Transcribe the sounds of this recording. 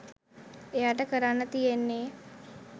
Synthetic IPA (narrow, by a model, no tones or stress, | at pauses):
ejaːʈəkəɾanːət̪ijenːeː